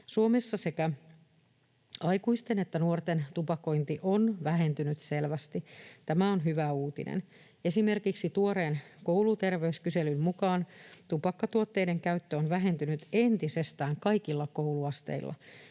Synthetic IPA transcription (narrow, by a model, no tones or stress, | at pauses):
suomesːɑse̞kæ | ɑjkuist̪ene̞t̪ːænuort̪ent̪upɑko̞int̪iʔonʋæɦe̞nt̪ynyt̪selʋæst̪it̪æmæonɦyʋæuːt̪ḭnʔḛn | e̞sime̞rkiksit̪uoɾeːnkowlut̪e̞rʋeyskyse̞lymmukɑːnt̪upɑkːɑt̪uot̪ːe̞ide̞ŋkæyt̪ːøonʋæɦe̞nt̪ynyt̪e̞nt̪ise̞st̪æːŋkɑikilːɑkouluɑst̪ḛilːʔɑ̰